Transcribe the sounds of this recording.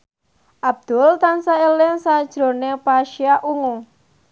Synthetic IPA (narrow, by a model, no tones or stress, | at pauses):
ʔab̚d̪̥ʊ̤lt̪ansaelɪŋsad̥ʒ̥ɾo̤nepaʃiaʔuŋo